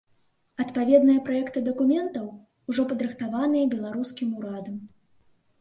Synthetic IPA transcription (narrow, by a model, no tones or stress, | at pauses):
ɐt̪pavʲɛd̪nɨjɐpɾajɛkt̪ɨd̪ɐkumʲɛnt̪ɐw | uʐɔpɐd̪ɾɨxt̪avanɨjɐbʲɛlˠaɾuskʲimuɾad̪ɐm